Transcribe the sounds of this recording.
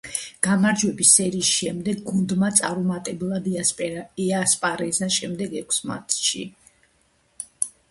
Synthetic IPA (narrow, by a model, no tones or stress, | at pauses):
ɡ̥amaɾd͡ʒwɛbisɛɾiːsʃɛmd̪ɛɡɡund̪mat̪sʼaɾumat̪ʼɛblˠad̪ | ɛaspʼaɾɛzaʃɛmd̪ɛɡɛkʰsma̰t̪ʃḭ